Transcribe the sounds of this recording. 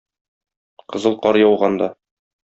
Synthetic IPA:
qɤ̆zɤlˠqɒɾjɒwʁɑnd̪ɑ

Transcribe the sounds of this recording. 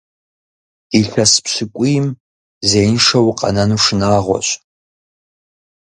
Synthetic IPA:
iɬɐspɕɪkʷʼʊjɪm | zeːjnʂɐwqʼɐ̰nɐnuːʂɨnaːʁʷɔ̰ɕʼ

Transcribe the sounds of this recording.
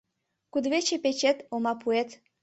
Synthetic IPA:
kud̪βet͡ɕepet͡ɕet̪omɑpʰuet̪

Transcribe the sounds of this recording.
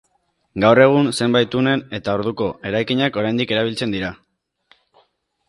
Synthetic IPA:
ɡawre̞ɣ̞unse̞mbajt̪une̞ne̞t̪ao̞ɾðuko̞e̞ɾajkiɲako̞ɾajnd̪ike̞ɾaβ̞ilt͡se̞nd̪iɾa

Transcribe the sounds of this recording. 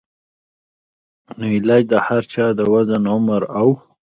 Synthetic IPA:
nəilajd̪əhaɾt͡ʃɑd̪əwazanʊmaɾaw

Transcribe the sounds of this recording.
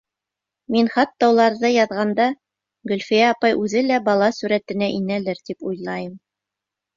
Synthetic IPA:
minχɑt̪ːɑulˠɑɾðɤjɑðʁɑnd̪ɑ | ɡɵ̆lfijæːpɑjʔʉðɘlæbɑlˠɑsʉɾæt̪ɘ̆næʔinælɘɾt̪ipujlˠɑjɤm

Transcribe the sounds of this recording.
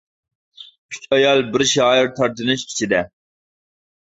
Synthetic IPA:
yt͡ʃʰɑjɑlˠbɪɾʃɑjɪɾt̪ʰɑɾt̪ʰɨnɨʃkʲʰi̥t͡ʃʰid̪ɛ

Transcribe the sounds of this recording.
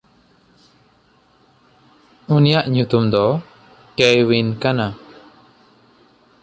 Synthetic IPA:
unijaʔɲut̪umd̪ɔ | kɛjwinkana

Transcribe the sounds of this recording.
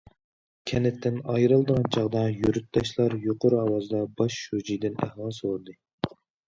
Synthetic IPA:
kʲʰɛnɪt̪ʰːɪnɑjɾɨlˠd̪əʁɑnt͡ʃʰɑʁd̪ɑjyɾyt̪̚d̪ɑʃlˠɑɾjoqoɾuɑwɑzɨd̪ɑbɑʃud͡ʒijd̪ɪnæ̰hlˠɑsold̪ɨ

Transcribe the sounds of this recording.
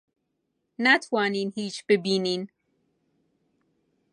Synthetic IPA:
natʰwaninhit͡ʃbɨbinin

